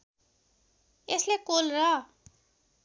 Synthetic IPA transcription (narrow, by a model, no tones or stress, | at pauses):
eslekolrʌ